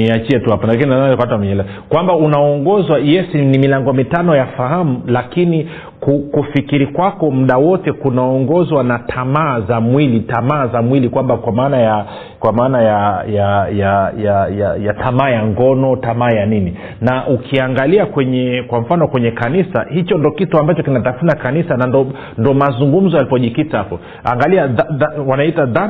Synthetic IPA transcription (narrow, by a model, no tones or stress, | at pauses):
niat͡ʃiɛtuhapanlakininaakatwamɛɲɛlɛ | kwambaunaɔŋɡɔzwajɛsinimilaŋɡɔmitanɔjafaham̩lakini | kukufikiɾikwakɔm̩ɗawɔtɛkunaɔŋɡɔzwanatʰamaːzamwilitamaːzamwilikwambakwamaːnaja | kwamaːnajajajajajajatʰamaːjaŋɡɔnɔtamaːjanini | naʔukʰiaŋɡaliakwɛɲɛkwam̩fanɔkwɛɲɛkanisa̰hit͡ʃɔndɔkituambat͡ʃɔkinatafunakanisanandɔ | ndɔmazuŋɡum̩zɔjalipɔʄikitaapɔ | a̰ŋɡaliaaðwanaitaða